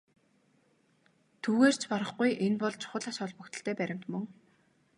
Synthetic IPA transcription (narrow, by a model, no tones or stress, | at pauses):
t̪ʰuːɣeːr̥t͡ɕʰpaɾə̆χɡujʔenpɔɮt͡ɕʰχʊ̆ɮaːsɔɮpɵ̆kt̪ə̆ɬt̪ʰeːpæɾʲɪ̆m̥t̪mɵŋ